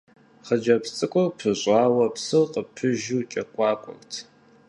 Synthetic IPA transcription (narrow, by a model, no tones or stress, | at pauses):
χəd͡ʒɐpt͡sʼɨkʷʼɔpʰɨʑʷʼɑːwɐpsɨwqʼəpʰɨʒut͡ʃʼɐqʷʼɑːkʷʼʊ̰mtʰ